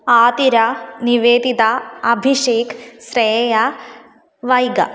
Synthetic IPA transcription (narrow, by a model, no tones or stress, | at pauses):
aːt̪iɾɐniʋeːd̪it̪aɐbʱiʂeːkʰsɾeːja | ʋɐjɡɐ̰